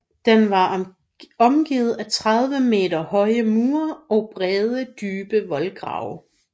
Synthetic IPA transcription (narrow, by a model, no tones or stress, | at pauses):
d̥enʋɑ̈ | ɒ̽mɡ̥iːð̩ˠæt͡sʰʁaðˠʋəme̝̰ːdɐhɒ̽ɪəmuːɐɒ̽b̥ʁɛð̞ˠəd̥yːb̥əʋɒlɡ̥ʁɑ̰̈ʊ